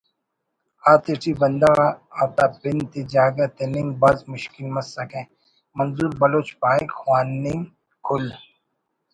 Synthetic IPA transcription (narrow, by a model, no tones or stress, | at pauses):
aːt̪ɪʈʰibɐnd̪aʋaɐt̪aːpɪnt̪id͡ʒaːɡɐt̪enɪŋɡ̚bɐzmʊʃkɪlmɐsɐkẽ | mɐnzuːɾbɐloːt͡ʃpaːikxwaːnːɪŋɡ | kʰʊl